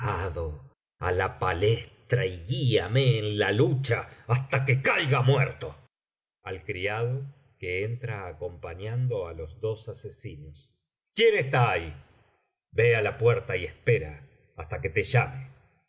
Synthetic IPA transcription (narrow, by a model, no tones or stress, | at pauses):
aðo | a̰lapalest̪ɾaiɣiameːnlalut͡ʃaːst̪akekajɣamweɾt̪o̞ | alkɾiaðo | ke̞ent̪ɾaːko̞mpaɲand̪o̞alo̞zðo̞sasesinos | kje̞nest̪aːi | be̞alapweɾt̪aiespe̞ɾa̰ː | st̪ake̞t̪eʒame